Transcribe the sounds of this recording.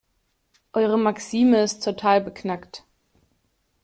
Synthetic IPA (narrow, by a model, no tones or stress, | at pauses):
ʔɔʏʁ̞əmaksiːməɪsttʰotʰaːlbəkʰnakt